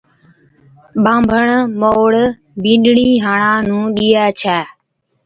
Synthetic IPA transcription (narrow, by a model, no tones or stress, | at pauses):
ɓãːmbʱəɳmoːɽ | bĩːɗɳiːɦaːɳãːnũːɗiːaːt͡ʃʰaː